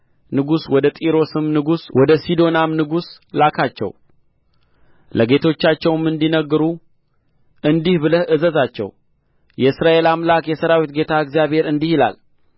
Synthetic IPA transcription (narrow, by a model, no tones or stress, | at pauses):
nɨɡuswɔd̪ət̪ʼiɾo̞sɨmnɨɡuswʔɔd̪əsid̪o̞namnɨɡus | lakʰat͡ʃːɛ̰w | lʔəɡe̞t̪ʰo̞t͡ʃːat͡ʃːɛwmːɨnd̪inəɡːɨɾu | ʔɨnd̪ihbɨləhɨzəzat͡ʃːɛ̰w | jɛɨsɾaʔe̞lamlakjɛsəɾawit̪ɡe̞t̪ʰaɨɡzijaβhe̞ɾɨnd̪ihila̰l